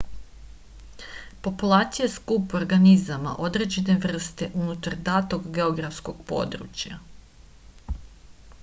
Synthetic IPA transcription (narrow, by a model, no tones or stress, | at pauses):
po̞pulˠaːt̪sijaskupuo̞ɾɡanizama̰ʔo̞d̪ɾe̞d͡ʑene̞ʋr̩st̪e̞ʔunut̪aɾd̪aːt̪o̞ɡɡeo̞ɡɾafsko̞ɡ̥po̞̰ːd̪ɾṵt͡ɕja̰